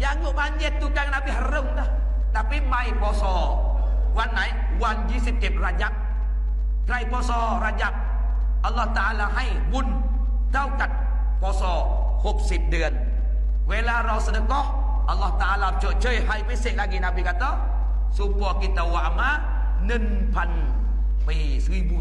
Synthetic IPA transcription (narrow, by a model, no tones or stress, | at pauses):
jaŋɡuʔbaɲd͡ʒət̪ːuɡaŋnabiɦaɾʊŋdəh | t̪apimajbɔsɔ | kwanːaj | wand͡ʒisip̚t̪ip̚rad͡ʒap̚ | kɾajbɔsɔ | rad͡ʒap̚ | alːɔht̪aʔalaɦaj | mʊn | daukat̪̚ | pɔːsɔː | hop̚sip̚dɯən | weːlaːɾɔːwsanɯkɔh | ʔalːɔht̪aʔaːlaːt͡ɕoːt͡ɕʰɤːjɦajmajselaːkiːnapiːkat̪ɔ | suːpɔːkit̪ːawaʔmaː | nɯn | pʰan | pi | sɯːjbu